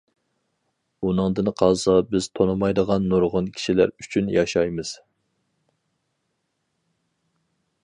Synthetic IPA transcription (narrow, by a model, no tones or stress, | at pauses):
unɨŋd̪ɨnqʰɑzɑbɪz̥t̪ʰonɨmɑjd̪əʁɑnːoɾʁʊnkʲʰi̥ʃilæ̰ɾyt͡ʃʰynjɑʃɑjmɨz̥